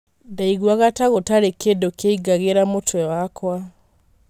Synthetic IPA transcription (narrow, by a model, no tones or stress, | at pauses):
daiɣwaɣataɣotaɾekedokeiɡaɣeɾamotwɛwakwa